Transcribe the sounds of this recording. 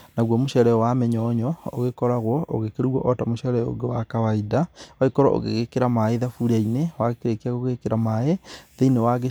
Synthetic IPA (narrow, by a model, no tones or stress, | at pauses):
naɣwɔmoʃɛɾɛjɔwamɛɲɔɲɔoɣekɔɾaɣwɔʔoɣekeɾwɔʔɔtamoʃɛɾɛjɔo̰ɡewakawaidawaikɔɾɔʔo̰ɣḛɣekeɾamaeðafuɾainewaɣekeɾekeaɣoɣekeɾamaeðeinewaɣe